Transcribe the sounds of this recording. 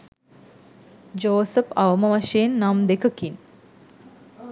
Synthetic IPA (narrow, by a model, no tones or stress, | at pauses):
d͡ʒoːsəpaʋəməʋaʂejenːamd̪ekəkin